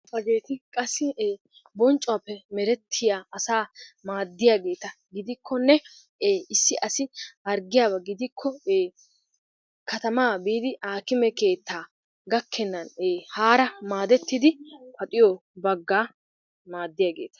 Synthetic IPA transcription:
ɐɡe̞ːt̪ɪkʼɐsːɪː | bɔnt͡ʃʼʊwaːpːɛmɛɾɛt̪ʰːɪjaːɐsaːmaːd̪ːɪjaːɡe̞ːt̪ɐ | ɡɪd̪ɪkʰːɔnːɛ | eːɪsːɪʔɐsɪʔɐɾɡɪjaːbɐɡɪd̪ɪkʰːɔeː | kɐt̪ɐmaːbiːd̪ɪʔaːkɪmɛke̞ːt̪ːaː | ɡɐkʰːɛnːɐneːhaːɾɐmaːd̪ɛt̪ːɪd̪ɪpɐt̪ʼɪjɔbɐɡːaː | maːd̪ːɪjaːɡeːt̪ɐ̥

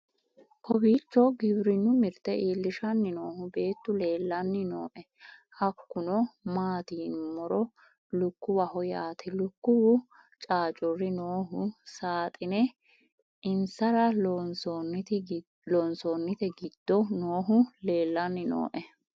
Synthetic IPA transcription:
kɔbiːt͡ʃːɔɡɪbɾɪnːʊmɪɾt̪ɛʔiːlːɪʃɐnːɪnoːhʊbe̞ːt̪ːʊle̞ːlːɐnːɪnoːʔɛ | hɐkːʊnɔmaːt̪iːnmɔɾɔ | lʊkːʊwɐhɔjaːt̪ʰɛlʊkːʊwʊ | t͡ʃʼaːt͡ʃʼɔrːɪnoːɦʊsaːt̪ʼɪnɛ | ɪnsɐɾɐlnt̪ | lɔnsoːnːɪt̪ɛɡɪd̪̥ːɔnoːɦʊle̞ːlːɐnːɪno̰ːʔɛ

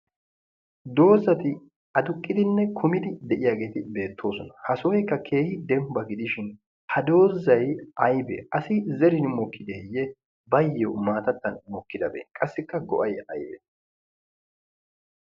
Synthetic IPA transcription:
d̪o̞ːzɐt̪ɪ | ɐd̪ʊkʼːɪd̪ɪnːɛkʰʊmɪd̪ɪd̪ɛʔɪjaːɡe̞ːt̪ɪbe̞ːt̪ːo̞ːsɔnɐhɐsɔːjɛkːɐkʰe̞ːhɪd̪ɛmbɐɡɪd̪ɪʃɪn | hɐd̪o̞ːzːɐjʔɐjbɛ̰ɐsɪzɛɾɪnmɔkʰːɪd̪ejːɛ | bɐjːɔmaːt̪ɐt̪ːɐnmɔkːɪd̪ɐbḛːnkʼɐsːɪkːɐɡɔ̰ʔɐjɐjbɛ̰

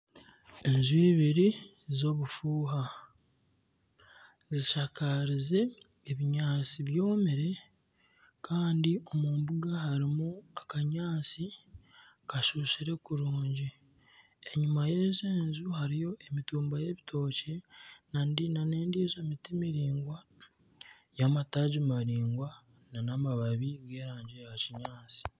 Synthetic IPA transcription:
e̞nzuiβiɾi | zo̞βufuːɦa | ziʃakaɾize̞ː | βiɲaːt͡siβjo̞ːmeɾe̞ | kʰaːndio̞muːmbuɡaɦaɾimuakaɲaːt͡si | kaʃuːʃiɾe̞kuɾuːɲɟi | eɲumaje̞ːzeːnzuhaɾijo̞ʔemituːmbaje̞βitʰo̞ːcenandinane̞ːndiezomitimiɾiːŋɡwa | jamataɟimaɾiːŋɡwa | nanamaβaβiɡe̞ːɾaːɲɟe̞jaciɲaːt͡si̥

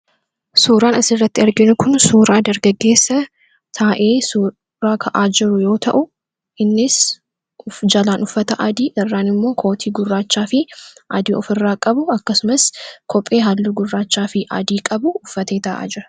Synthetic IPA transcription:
suːɾaːnɐsɪrːɐt̪ːɪɐɾɡɪnʊkʊnsuːɾaːd̪ɐɾɡɐɡːe̞ːsːɐ | t̪ʰaːʔeːsuː | ɾaːkʰɐʔaːd͡ʒɪɾʊjo̞ːt̪ɐ̰ʔʊ | ɪnːɪs | ʊd͡ʒɐlaːnʊfːɐt̪ɐʔɐd̪iːʔɪrːaːnɪmːo̞ːkʰo̞ːt̪ʰiːɡʊrːaːt͡ʃːaːfɪʔɐd̪iːɔfɪrːaːkʼɐbʊɐkːɐsʊmɐskʰɔpʼːe̞ːɦalːuːɡʊrːaːt͡ʃːaːfɪʔɐ̰d̪iːkʼɐbʊʊfːɐt̪eːt̪ɐʔa̰ːd͡ʒɪɾɐ

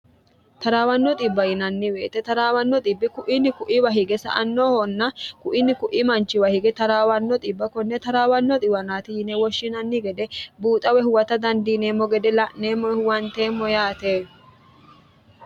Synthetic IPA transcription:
t̪ɐɾaːwɐnːɔt̪ʼɪbːɐjɪnɐnːɪweːt̪ɛt̪ɐɾaːwɐnːɔt̪ʼɪbːɪkʊʔɪnːɪkʊʔɪwɐɦɪɡɛsɐ̰ʔɐnːoːhɔnːɐkʊʔɪnːɪkʊʔimɐnt͡ʃːɪwɐhɪɡɛt̪ɐɾaːwɐnːɔt̪ʼɪbːɐkɔnːɛt̪ɐɾaːwɐnːɔt̪ʼɪwɐnaːt̪ɪjɪnɛwɔʃːɪnɐnːɪɡɛd̪ɛbuːt̪ʼɐwɛhʊwɐt̪ɐd̪ɐnd̪iːneːmːɔɡɛd̪ɛlɐʔnːe̞ːmːɔhʊwɐnt̪e̞ːmːɔjaːt̪eː

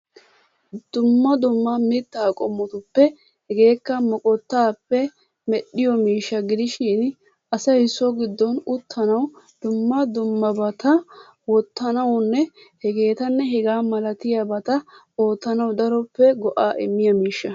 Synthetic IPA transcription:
d̪̥ʊmːɐd̪ʊmːɐmɪt̪ːaːkʼɔmːɔt̪ʊpːɛ | hɛɡe̞ːkːɐmɔkʼɔt̪ːaːpːɛ | mɛɗːɪjɔmiːʃːɐɡɪd̪ɪʃɪn | ɐsɐjsːɔɡɪd̪ːɔnʊt̪ʰːɐnɐw | d̪̥ʊmːɐd̪ʊmːɐbɐt̪ɐ | wɔt̪ːɐnɐwnːɛ | hɛɡe̞ːt̪ɐnːɛɦɛɡaːmɐlɐt̪ɪjabɐt̪ɐ | o̞ːt̪ːɐnɐwd̪ɐɾɔpːɛɡɔʔaːʔɪ̰mːɪjɐmiːʃːɐ

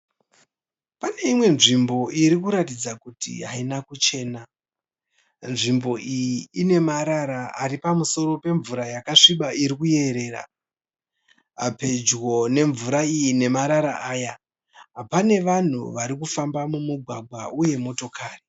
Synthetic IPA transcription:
pane̞imwe̞nʐimbo̞ʔiɾikuɾatid͡zakutḭɦainakut͡ʃe̞ːna | nʐimbo̞ʔijiine̞maɾaɾaa̰ɾipamuso̞ɾo̞pe̞ɱvuɾajakaʂiɓaiɾikuje̞ɾe̞ːɾa̰ | ape̞d͡ʒɣo̞ne̞ɱvuɾaijine̞maɾaɾaʔaːja | apane̞ʋan̤ṵʋaɾikufambamumuɡʱwaɡʱwauje̞mo̞to̞kʰaːri

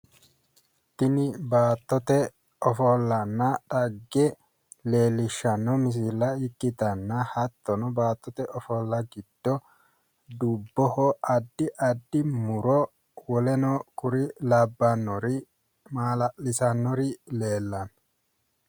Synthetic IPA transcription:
t̪ɪnɪbaːt̪ːɔt̪ɛ | ɔfɔlːɐnːɐɗɐɡːɛ | le̞ːlːɪʃːɐnːɔmɪs̬ɪlːɐɪkːɪt̪ɐnːɐhɐt̪ːɔnɔbaːt̪ːɔt̪ɛʔɔfɔlːɐɡɪd̪̥ːɔ | d̪ubːɔhɔɐd̪ːɪʔɐd̪ːɪmʊɾɔ | wɔlɛnɔkʊɾɪlɐbːɐnːɔɾi | maːlɐʔɪsɐnːɔɾɪleːlːɐn

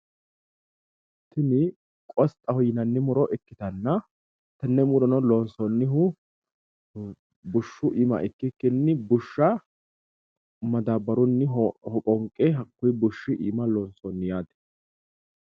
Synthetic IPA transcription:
t̪ːɪnɪ | kʼɔst̪ʼːɐhɔjɪnɐnːɪmʊɾɔʔɛkːɪt̪ɐnːɐ | t̪ɐnːɛmʊɾɔnɔlɔnsɔnːɪɦʊ | bʊʃːʊʔɪmɐ̰ʔɪkːɪkːɪnːɪbʊʃːɐ | mɐd̪ɐbɐɾʊnːɪhɔkʼɔŋkʼːɛɦɐkːʊjbʊʃːɪʔɪ̰mɐlɔnsɔnːɪjaːt̪ɛ̥

